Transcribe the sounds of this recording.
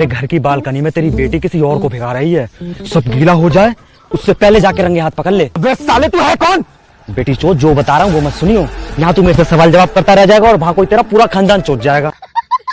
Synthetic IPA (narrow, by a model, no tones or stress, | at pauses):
ɾeɡʱɐɾkibaːlkənimẽt̪eːɾibeːʈikɪsiɔːɾkobʱeːɡaɾɐɦiɦɛːsɐbɡiːlaɦod͡ʒaːe | ʊsːepɛɦled͡ʒaːkeɾɐ̃ŋɡeɦaːt̪̚ʰpɐkəlleːbeːsaːlet̪uɦɛkɔːn | beːʈit͡ʃoːd͡ʒoːbɐt̪aːɾəɦũɡomɛsʊniũjɐɦãt̪umeːɾesesɐʋaːld͡ʒɐʋaːb̚kɐɾt̪aɾɛɦd͡ʒaːeːɡaɔːɾʋɐɦãkoit̪eːɾapuːɾakʰãːnd̪aːnt͡ʃoːʈd͡ʒaːeːɡaː